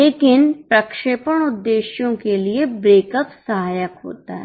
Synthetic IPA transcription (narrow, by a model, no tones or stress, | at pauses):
leːkɪnpɾɐkʃeːpəɽ̃ʊd̪ːeːʃjõkeliebɾeːkəpsɐɦaːjəkɦo̰ːt̪aɦɛ